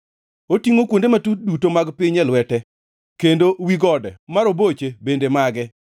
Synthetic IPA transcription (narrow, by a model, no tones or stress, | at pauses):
otiŋokwondematut̚dutomaɡpɪɲɛlwɛtɛ | kendowiɡɔdɛmaɾobot͡ʃebendemaɡɛ